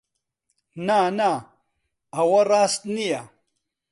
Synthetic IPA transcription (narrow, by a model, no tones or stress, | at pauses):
nana | ɐwɐraːst̪nija